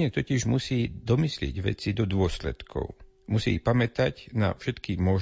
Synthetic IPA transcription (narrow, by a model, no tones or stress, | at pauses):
ɛt̪ɔciʒmusiːd̪ɔmislɪɛ̰ɟʋɛ̰t͡sid̪ɔd̪ʊɔslɛ̰t̪kʰɔ̰ʊ | musḭːpamɛt̪acna̰fʃɛt̪kimɔʒ